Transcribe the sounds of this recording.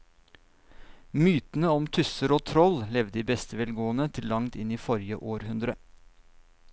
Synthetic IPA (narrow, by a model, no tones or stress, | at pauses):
myːt̪n̩əɔmt̪ʰʉsəɾoːt̪ʰɾɔllɛʋd̪iːbɛst̪əʋɛːlɡoːənət̪ʰɪllɑŋt̪ɪniːfɔɾjəʔoːɾhʉnd̪ɾə